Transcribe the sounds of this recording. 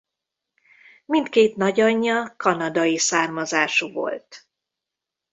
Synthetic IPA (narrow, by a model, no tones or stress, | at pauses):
mint̪keːt̪nɒɟɒɲːɒkɒnɒd̪ɒjisaːrmɒzaːʃuvo̞̰lt̪